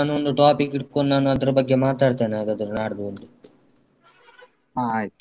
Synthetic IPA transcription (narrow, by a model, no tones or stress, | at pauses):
aːnuond̪uʈaːpikːiʈkonnaːnuɐd̪ɐɾɐbɐɡːemaːt̪aːɽt̪eːnaːd̪ɐd̪ɐɾnaːɽɐd̪uond̪u | a